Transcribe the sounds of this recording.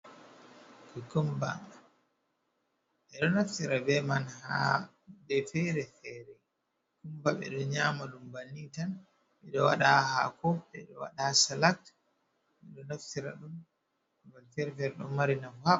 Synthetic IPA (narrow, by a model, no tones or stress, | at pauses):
kikumba̰ | ɓɛɗɔnaftiɾabɛmanha̰ | dɛfɛɾɛfɛɾɛ | kumbaɓɛ̰ɗɔɲaːmaɗumbanitan | ɓɛɗɔwa̰ɗahakɔɓɛɗɔwa̰ɗasalak̚t | ɓɛɗɔnaftiɾa̰ɗum | balfɛɾɛfɛɾɛɗɔ̰maɾinafha